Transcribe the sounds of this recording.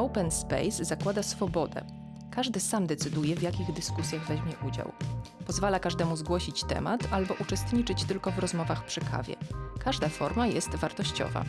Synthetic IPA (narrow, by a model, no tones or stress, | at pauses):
ɔwpɛnspɛ̰jzːakwad̪asfɔbɔd̪ɛ̰ | kaʐd̪ɘsamd̪ɛt̪sɘd̪ujɛvjakʲiɣd̪ɘskusʲjaɣvɛʑmʲjɛʔud͡ʑa̰w | pɔzvalakaʐd̪ɛmuzɡwɔɕit͡ɕt̪ɛ̰mat̪albɔʔut͡ʂɛst̪ɲit͡ʂɘt͡ɕt̪ɘlkɔvɾɔzmɔvaxpʂɘkʰa̰vʲjɛ̰kaʐd̪afɔɾmajɛst̪vaɾt̪ɔɕt͡ɕɔ̰va̰